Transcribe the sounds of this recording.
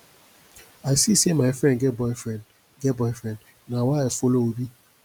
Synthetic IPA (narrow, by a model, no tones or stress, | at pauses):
aɪsisemaɪfɾɛ̃ndɡɛbɔɪfɾɛn | ɡɛbɔɪfɾɛ̃nd | nawaefoloobi